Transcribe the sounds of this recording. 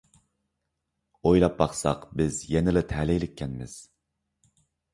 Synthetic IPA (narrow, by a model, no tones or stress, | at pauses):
ojlˠɑp̚bɑχsɑ̰qbɪzjɛnɪlɪt̪ʰɛlɪjlɪk̚ʲʰːɛnmɪz̥